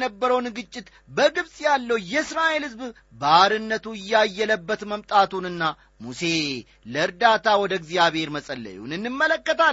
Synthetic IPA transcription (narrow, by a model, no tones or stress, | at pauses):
nəbːəɾəwnɡɨt͡ʃʼːɪt̪ | bəɡɨβsʼjalːəwjɛɨsɾaʔelhɨzb | bəaɾɨnːət̪ʰuɪjːajːɛləbːət̪məmt̪ʼat̪unɨnːa | muse̞ | ləɨɾd̪at̪ʰawɔd̪əɡzijaβhe̞ɾməsʼəlːə̰jṵnɨnːɨmːələkːət̪a